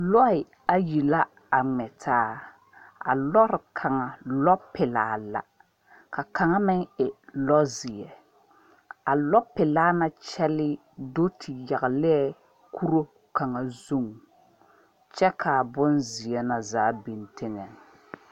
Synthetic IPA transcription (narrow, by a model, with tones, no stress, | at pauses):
lɔ˦ɪ˨ | a˦ji˨la˦ | a˨ŋ͡mɛ˨tʰaː˦ | a̰˨lɔ˦ɾɪ˨kʰa˨ŋa˨lɔ˦pɪ˨laː˨˦la̰˨ | ka˨ka˨ŋa˦mɪ˦ŋɪ˨lɔ˦zɪ˨ɛ˨ | a˨lɔ˦pɪ˨laː˦na˦t͡ʃɛ˦lɪ˦ | do˦tʰɪ˨ja˨ɣɪ˨lɪ˦ɛ˦ | kʰu˦ɾo˦ | ka˨ŋa˨zu˦ŋ | t͡ʃɛ˦kʰa˨bʊ˦nzɪ˨ɛ˦na˨zaː˨˦bi˨ntʰɪ˦ŋɛ˨n˨